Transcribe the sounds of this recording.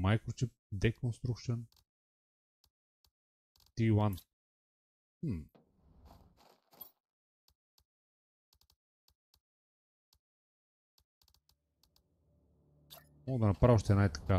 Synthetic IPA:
majkɾot͡ʃɛp | d̪ɛkonst̪ɾukʃən | t̪iwan | m̩ | mɔɡəd̪ɐnɐpɾavəʃt̪ɛnajt̪ɐ̥ka

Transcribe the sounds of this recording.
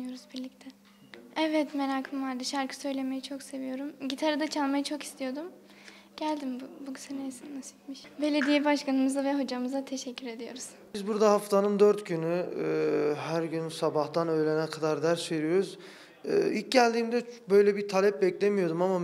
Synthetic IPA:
ɯjo̞ɾuzbiɾlʲict̪ʰɛ | ɛvɛt̪me̞ɾaːkʰɯmvaɾd̪ɯʃaɾkʰɯ̥sø̞jlʲeme̞jit͡ʃʰo̞kse̞vijo̞ɾumɟit̪ʰaɾɯd̪at͡ʃʰalˠmajat͡ʃʰo̞ki̥st̪ʰijo̞d̪um | ɟ̥ælʲd̪imbuɡysɛnejsinnasi̥t̪miʃbe̞lʲe̞d̪ijɛbaʃkanɯmɯzavɛɦo̞d͡ʒamɯzat̪ʰe̞ʃɛcʰːyɾe̞d̪ijo̞̰ɾuz̥bizbuɾd̪ahaft̪ʰanɯmd̪øɾt̪ɟyny | hæɾɟynsabaht̪ʰanø̞jlʲenɛkʰad̪aɾd̪æɾsøɾijo̞ɾuz | ɯ̰ːilʲc̚ɟælʲd̪iːmd̪ɛbø̞jlʲɛbiɾt̪ʰalʲɛp̚bɛclʲemijo̞d̪umama

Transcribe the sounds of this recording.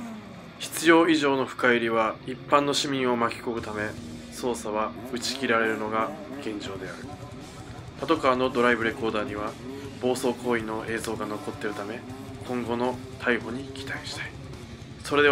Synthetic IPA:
çi̥t͡sɨjo̞ːiʑo̞ːno̞ɸɯ̟̥kaiɾʲiβaipːãnːo̞ɕimʲĩɰ̃o̞makʲi̥ko̞ɡɯ̟t̪ame̞ | so̞ːsaβ̞aɯ̟t͡ɕi̥kʲiɾaɾe̞ɾɯ̟no̞ɡaɡ̥ẽ̞ɲ̟d͡ʑo̞ːd̪e̞aɾɯ̟ | pat̪o̞kaːno̞d̪o̞ɾaibɯ̟ɾe̞ko̞ːd̪aːɲ̟iβ̞ab̥o̞ːso̞ːko̞ːino̞ʔe̞ːzo̞ːɡano̞ko̞t̪ːe̞ɾɯ̟t̪ame̞ | kʰõ̞ŋɡo̞no̞ | t̪ʰaiɦoɲ̟ikʲi̥t̪aiɕi̥t̪ai̥ | so̞ɾe̞d̪e

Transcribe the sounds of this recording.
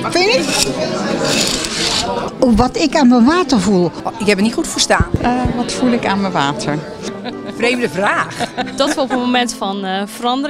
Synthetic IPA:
fɪn | oʋɔtɪkaːnməʋaːtərvulˠɪkhɛpənitxutfərstaːnʋɔtfulˠɪkaːnməʋaːtʰəɹ | frejmdəvraːxd̥ɔtɔopənmomɛntfɔnfərɑndər

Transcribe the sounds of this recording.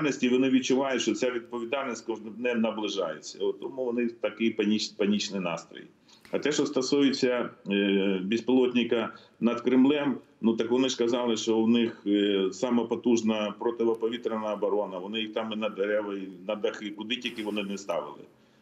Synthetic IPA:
lʲnɔsʲtʲiʋɔnɪʋʲid̚t͡ʃʊʋɑjʊtʲʃt͡ʃɔt͡sʲaʋʲid̪̚pɔʋʲid̪ɑlʲnʲisʲtʲkɔʒɪd̪nɛmnɐblˠɪʒɑjet͡sʲːɐ̰ʊt̪ɔmuʋɔnɪt̪ɐkɪjpɐnʲipɐnʲit͡ʃnɪjnɑ̰st̪ɾɔ̰j | ɐt̪ɛʃɔst̪ɐsujɪt͡sʲːɐ | bʲispɪlˠɔt̪ʲnʲɪkɐ | nɐd̪kɾɪmlˠɛm | nut̪ɐkʋɔnɪʂkɐzɑlˠɪʃt͡ʃɔwnɪxsɑmɛpɔt̪uʒnɐpɾɔt̪ɪʋɐpɔʋʲit̪ɾenɐɐbɔɾɔnɐʋɔnɪjixt̪ɑminɐd̪eɾɛʋɐinɐd̪ɐxɪkʊd̪ɪtʲilʲkɪʋɔnɪnɛst̪ɑ̰ʋɪ̰lˠɪ̰

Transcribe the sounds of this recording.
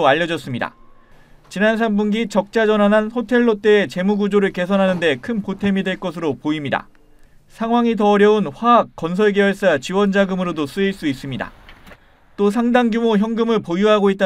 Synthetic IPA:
aʎːʌd͡ʑʌs͈ɯmɲida̰ | t͡ɕinans̬ʰambunɡit͡ɕʌk̚t͡ɕ͈ad͡ʑʌnanɦanɸotʰe̞ɭːot͈e̞ːt͡ɕe̞muɡud͡ʑoɾɯɭke̞sʰʌnɦanɯnde̞kʰɯnpotʰe̞midwe̞ɭk͈ʌsʰɯɾopoimɲida̰ | sʰaŋwaŋitʌːɾjʌunɸwaːk̚k͈ːʌns̬ʰʌɭɡewʌɭs͈at͡ɕiwʌnd͡ʑaɡɯmɯɾodos͈ɯiɭs͈uis͈ɯmɲida̰ | t͈os̬ʰaŋdaŋɡjumoçjʌŋɡɯmɯɭpojuɦaɡoit̚t͈a

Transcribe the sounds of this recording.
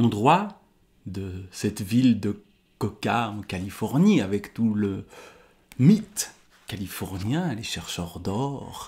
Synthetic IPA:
ɔ̃d̪ʁwa | d̪əsɛt̪vild̪ə | kɔkaɑ̃kalifɔʁniavɛkt̪ulə | mit̪ | kalifɔʁnjɛ̃leʃɛʁʃœʁd̪ɔʁ

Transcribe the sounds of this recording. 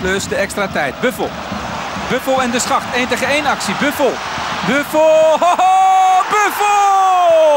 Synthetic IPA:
pløsdəɛkstratɛjt̚bøfəl̩ˠ | bøfəlˠɛndəsχɑχtejntəχəejnɐksibøfəlˠ | bøf | bøfəl

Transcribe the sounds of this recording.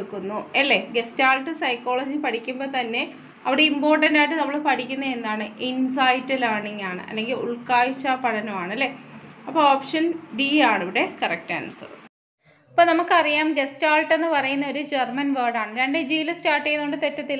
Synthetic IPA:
ukːunːuɐlːe̞ɡe̞staːlʈːɨsɐjkːo̞ːɭɐd͡ʑipɐʈʰikʲːumbo̞ːt̪ɐnːe̞ | ɐʋiɽe̞impo̞ːrʈːɐndaːjʈ̬ːɨnɐmːɐɭepɐʈʰikʲːunːɐe̞nd̪aːɳɨʔins̬ɐjtːilaːɳiŋːaːɳɨ̰ʔɐ̰lːe̞ŋɡilṵɭkaːjit͡ɕːɐpɐʈʰɐnɐmaːɳɐlːe̞ɐpːooːpʂɐnɖiaːɳiʋiɽe̞kɐrɐk̚tːɐ̰nɐsɐ̰ðɨ̰ | ɐpːoːnɐmukːɨɐrijaːmɡe̞staːlʈe̞nːɨpɐrɐjunːɐo̞ɾud͡ʑermɐnʋɐrɖaːɳɨɾeɳɖed͡ʑiːlɐstaːrʈːejnoɳɖɨt̪e̞tːɐt̪ːil

